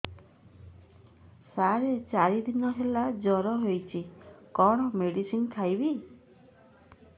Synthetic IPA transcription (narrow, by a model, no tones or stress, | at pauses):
saɾet͡ʃaɾid̪inɔɦelad͡ʒɔɾɔɦojt͡ʃʰikɔɽ̃ɔmeɽisinkʰajbi